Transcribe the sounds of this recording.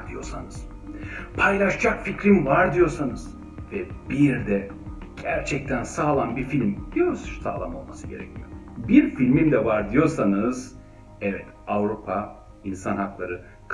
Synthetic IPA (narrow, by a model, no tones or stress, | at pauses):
d̪ijo̞̰ɾsanɯz̥ | pʰajlˠaʃd͡ʒakficɾimvaɾd̪ijo̞ɾsanɯz̥ | vɛb̥iɾd̪ɛ | ɟ̥æɾt͡ʃʰɛc̚t̪ʰænsaːlˠanbiɾfilʲmd̪̥ijoɾsʃsa̰ːlˠamo̞̰lˠmasɯɟe̞ɾɛ̰cʰijobiɾfilʲmimd̪ɛvaɾd̪ijo̞ɾsanɯz | ɛvɛt̪avɾupʰa | insanhaklˠaɾɯ | k